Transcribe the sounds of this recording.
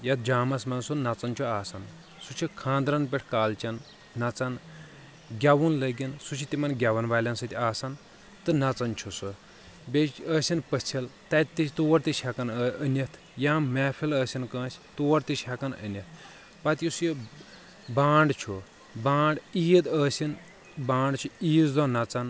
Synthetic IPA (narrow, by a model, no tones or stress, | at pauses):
jɐt̪̚d͡ʒaːmɐsmɐnsunnɐt͡sɐnt͡ʃʰuaːsɐn | sut͡ʃʰikʰãːnd̪ɾɐnpʲeʈʰkaːlt͡ʃɐnː | ɐt͡sɐn | ɡʲaʋunlɐɡinsut͡ʃʰit̪imɐnɡʲaʋɐnʋaːlʲɐnsɨt̪ʲiaːsɐn | t̪ɨnɐt͡sɐnt͡ʃʰusɨ | beəːsʲinpət͡sʰilt̪ɐt̪it̪oːɐɾt̪iʃʰʲakɐnənʲɐt̪ʰ | jãːmɛːpʰiləːsʲinkə̃ːsʰʲt̪oːɐɾt̪iʃʰʲakɐnə̰nʲɐt̪ʰ | pɐt̪jusji | baːɳɖt͡ʃʰu | bãːɳɖiːd̪əːsin | bãːɳɖt͡ʃʰuiːzd̪oːnɐt͡sɐn